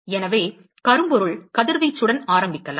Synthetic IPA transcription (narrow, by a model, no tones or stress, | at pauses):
ɛnɐʋeː | kɐɾɯmbɔɾɯɭkɐðɪɾʋɐɪt͡ʃːɯɽɐnaːɾɐmbɪkːɐla̰